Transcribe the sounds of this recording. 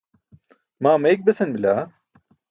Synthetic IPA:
maːmɐek̚besinbilʲa

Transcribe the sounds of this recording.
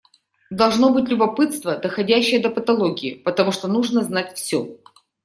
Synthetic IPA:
d̪ɐlˠʐno̞bɨtʲlʲʊbɐpɨt̪st̪vəd̪əxɐdʲæɕːɪjəd̪əpət̪ɐlˠoɡʲɪɪpət̪ɐmuʂt̪onuʐnəznatʲfsʲɵ

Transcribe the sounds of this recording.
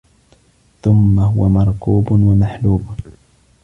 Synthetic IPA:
θʊmːaɦʊwamɑɾˤkuːbʊnwamaħluːb

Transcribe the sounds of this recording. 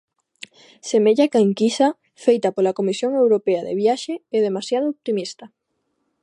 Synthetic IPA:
semeʎakaeŋkisa | fejt̪ɐpolakomisjoŋewɾopeaðḛβjaʃeeðemasjaðooβ̚t̪imist̪ɐ

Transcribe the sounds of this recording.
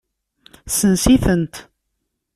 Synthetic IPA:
sənsiθənt̪

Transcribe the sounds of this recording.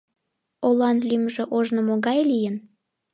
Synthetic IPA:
olɑnlymʒeʔoʒnomoɣɑjlijən

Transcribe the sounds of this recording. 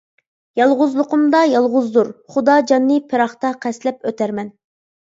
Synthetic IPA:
jɑlˠʁʊzlˠʊqʰʊmd̪ɑjɑlˠʁʊzd̪uɾχud̪ɑːd͡ʒɑnːɨpʰeɾɑχt̪ɑqʰɛslɛp̚øt̪ʰæɾmɛn

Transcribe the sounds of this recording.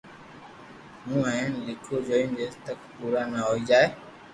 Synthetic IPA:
mũːəɪnlɪkʰoːd͡ʒoːĩnd͡ʒeːt̪əkʰpuːɾaːnaɦoːiːd͡ʒaːeː

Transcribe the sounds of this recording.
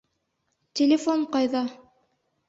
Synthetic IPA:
tʲelʲɪfoɴqɑjðɑ

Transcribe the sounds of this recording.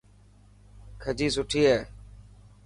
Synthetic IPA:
kʰəd͡ʒiːsʊʈʰiːɦɛː

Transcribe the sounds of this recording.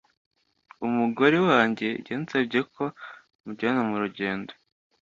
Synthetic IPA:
umuɡo̞ɾewaːɲɟe̞ɟeːnt͡sebɟekʰo̞ | muɟenomuɾuɟe̞ːndo

